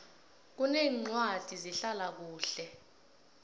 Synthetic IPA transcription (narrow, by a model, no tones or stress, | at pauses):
k̬uneːŋ͡ǀwad̥ʱiziɬalak̬uːɬɛ